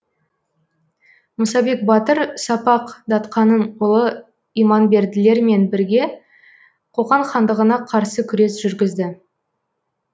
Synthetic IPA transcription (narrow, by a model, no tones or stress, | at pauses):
mʊsɑbe̞k̚bɑt̪əɾsɑpɑqd̪ɑt̪qɑnənʊlˠə | ijmɑnbe̞ɾd̪ɪle̞ɾme̞nbɪɾɡʲe̞ | qʰo̞ʁɑɴχɑnd̪əʁənɑqʰɑɾsəkʲʰʏɾe̞sʒ̥ʏɾɡʲɪzd̪ɪ